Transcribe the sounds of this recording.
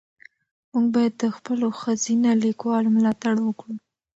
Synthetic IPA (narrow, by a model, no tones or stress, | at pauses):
muɡbɑjad̪ːəxpəloxəzinalikwɑlmlɑt̪aɽwəkɽu